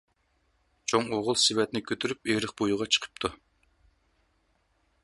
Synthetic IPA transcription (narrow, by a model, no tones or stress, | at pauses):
t͡ʃʰoŋoʁʊlˠsɪwɛt̪nɪkʲʰøt̪ʰyɾypeɾəχbojuʁɑt͡ʃʰə̥qʰə̥p̚t̪ʰu